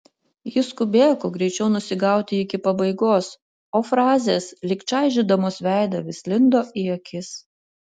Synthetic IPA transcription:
jɪskʊbʲeːjkoːɡɾʲɛɪt͡ʃʲɛʊnʊsʲɪɡɑˑʊt̪ʲɪɪkʲɪpɐbɐɪɡoːs | oːfɾɑːzʲeːslʲɪkt͡ʃɑɪʒʲɪd̪ɐmoːsʋʲæˑɪd̪ɐʋʲɪslʲɪnd̪oːʔɪɐkʲɪs

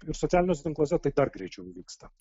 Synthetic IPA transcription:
ɪɾsɔt̪ʲæːlʲɪnoːs̬ʲɛt̪ʲɪŋklˠoːsʲɛt̪ɐɪd̪ɐɾɡɾʲɛɪt͡ʃʲɛʊʋʲiːkst̪ɐ

